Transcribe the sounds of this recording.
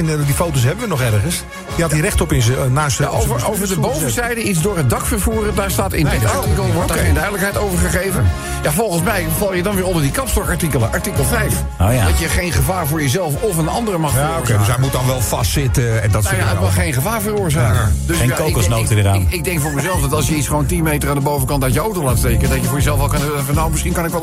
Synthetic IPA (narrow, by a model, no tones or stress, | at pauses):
ɛndifowtos̬ɦɛbəʋənɔχɛrχəns | əhɑtirɛχtɔpɪnsnaːsaovəowvədəbowvəzɛjdəitzdʊːɹɦət̚dɑkfərvuːrədaːɹstaːtɪ̰naɹtikəlˠʋɔejndœɥdələkɦɛjtowvəɹχəχejvən | javɔlˠχənsmɛjvɑlˠjədɑnʋɪːɹɔndəɹdikɑpstɔɹkɑɹtikəlˠəʔɑɹtikəlˠvɛjf | dɑtjəχejnχəvaːɹvʊːɹjəzɛlˠfɔfənɑ̰ndərəmɑχ | edsɛjmut̚dɑnʋɛlˠfɑ̰stsɪtəɛndɔtjaətmɑχejnχəvaːɹvəroːɹzad̥øsjenkoksnotədəɾa̰nɪɡ̚dɛŋkfʊːɹməzɛlˠfdɑtɑlˠsjəitsχəʋowntinmejtəraːndəbowvəkɑntaɥtjəowtowlaːttejkənədɑtjəvʊːɹjəzɛlˠfɑlˠkɑnøfɔnowmɪsχinkɑnɪkʋɛlˠ